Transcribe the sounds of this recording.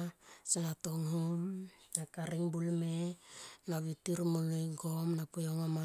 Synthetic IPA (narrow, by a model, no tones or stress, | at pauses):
senatoŋhumnakaɾiŋbulmenaβitiɾmoleɡomnapojoŋama